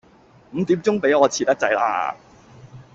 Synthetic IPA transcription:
m̩˨˧t̪iː˨˥mt͡sʊ˥ŋpe˨˥jɔː˨˧t͡sʰiː˨t̪ɐ˥t͡sɐ˨˧jla̰ː˧˥

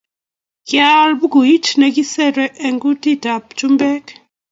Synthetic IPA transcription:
kja˦lbu˦ɡu˨i˦t͡ʃnɛ˨ɡi˦sɛ˦ɾɛ˦ʔɛ˨ŋɡu˦ti˦ta˨p̚t͡ʃu˦mbɛ˦k

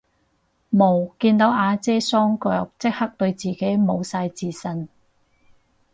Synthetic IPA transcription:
mo˨˩wkiː˧nt̪o˨˥wʔaː˨˧t͡sɛː˥sɔː˥ŋkœː˨˧k̚t͡sɪ˥k̚hɐ˥k̚t̪ɵ˧ɥt͡siː˨ke˨˥jmo˨˧wsaː˧jt͡siː˨˧sɐ˨n

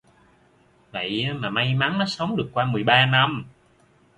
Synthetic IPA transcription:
və̰˧˨jaː˨˦maː˨˩ma˧jma˨˦ŋnɔ˨˦sə˨˦wŋ͡mɗɨ˨˩əkːwaː˧mɨ˨˩əjɓaː˧na˧m

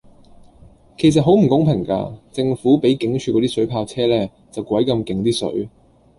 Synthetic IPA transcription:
kʰe˨˩js̬ɐ˨t̚ɦo˨˥wm̩˨˩kʊ˨˥ŋpʰɪ˨˩ŋka̰ː˧t͡sɪ˧ŋfuː˨˥pe˨˥jkɪ˨˥ŋt͡ʃʰyː˧kɔ˨˧t̪iː˥sɵ˨˥ɥpʰaː˧w̚t͡sʰɛː˥lɛː˥ | t͡sɐ˨wkʷɐ˨˥jkɐ˧mkɪ˨˥ŋt̪iː˥sɵ̰˨˥ɥ

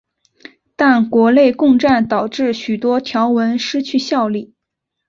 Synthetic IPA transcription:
t̪a˥˩nkwɔ˧˥ne˥˧ɪkʊ˥˧ŋʈ͡ʂa˥˩nt̪ɑ˨˩ʊʈ͡ʂɻ̩˥˩ɕy˨˩t̪wɔ˥t̪ʰjɑ˧˥ʊwə˧˥nʂɻ̩˥t͡ɕʰy˥˧ɕjɑ˥˧ʊli˥˩

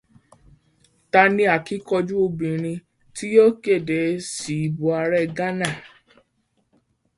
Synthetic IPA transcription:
ta˧nĩ˧˦a˨ki˨˦kɔ˧d͡ʒu˦o˧bĩ˨ɾ̃ĩ˧ | ti˦jo˦ke˦˨de˨˦si˨i˨bu˨a˧ɾɛ˦˨ɡa˦nã˦˨

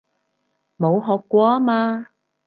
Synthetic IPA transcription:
mo˨˧wɦɔː˨˧kːʷɔː˧aː˦˥maː˧

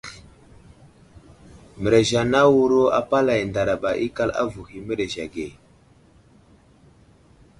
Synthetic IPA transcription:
mə˨ɾe˨ʒa˨na˦wu˦ɾo˦a˨pa˦la˨jnda˨ɾa˨ɓa˨ʔi˦ka˦la̰˦vu˨hi˨mə˦ɾe˨ʒa˨ɡe˨

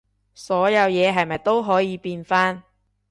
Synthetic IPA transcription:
sɔː˨˥jɐ˨˧wjɛː˨˧ɦɐ˨jmɐ˨jt̪o˥wɦɔː˨˥jiː˨˧piː˧nfaː˥n

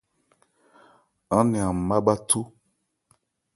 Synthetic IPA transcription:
ã˦nĩ˨a˨m̩˨ma˦ba˦tʰu˦

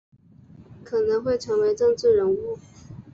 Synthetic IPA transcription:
kʰɤ˨˩nɤ˧˥ŋxwe˥˩ɪʈ͡ʂʰɤ˧˥ŋwe˧˥ɪʈ͡ʂɤ˥˧ŋʈ͡ʂɻ̩˥˩ɻə˧˥nu˥˩

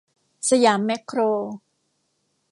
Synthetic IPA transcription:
sa˧jaː˩˦mːe˦˥kʰːɾoː˧

